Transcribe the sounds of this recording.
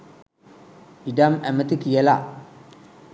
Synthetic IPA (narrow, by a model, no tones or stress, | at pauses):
idama̰mətikijala